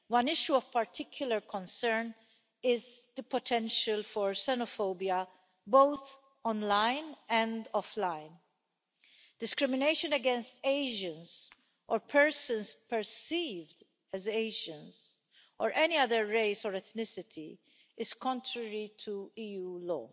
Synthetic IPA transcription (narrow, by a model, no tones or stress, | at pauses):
wɐ̃nɪʃjuɔv̥pɐɾt̪ʰɪkʰjʊlɐɾkʰɔ̃nsɛɾn | ɪzd̪əpɔt̪ʰɛ̃nʃəlfɔɹsɛnɔfoʊbiɐ | boʊt̪ | ɔ̃nlãɪnɛ̃nd̪ɔflãɪn | d̥ɪskɾɪmɪneɪʃə̃nɛɡɛ̃nst̪eɪʒə̃ns | ʔɔɾpʰɛɹsə̃nspɛɹsiːvd | ɛzeɪʒə̃ns | ʔɔɹʔɛniɐðəɹːeɪsɔɹɛt̪nɪsɪt̪ʰi | ɪz̥kɔ̃ntɹəɹit̪ʰuiːjuːlɔ̰ː